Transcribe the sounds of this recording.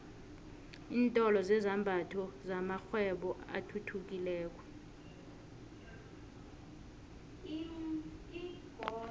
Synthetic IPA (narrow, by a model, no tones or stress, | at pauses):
iːntʼɔlɔzɛzambʱatʰɔzamaxwɛɓɔʔa̰tʰutʰuk̬ʼilɛːk̬ʼwɛ